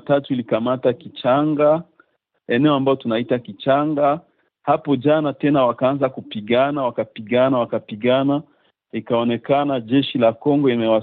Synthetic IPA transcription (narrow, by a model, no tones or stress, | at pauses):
tatuilikamatakit͡ʃaŋɡa | ɛnɛɔambajɔtunaitakit͡ʃaŋɡa | hapɔʄanatɛnawakaanzakupiɠanawakapiɠanawakapiɠana | ikaɔnɛkanaʄɛʃilakɔŋɡɔimɛwa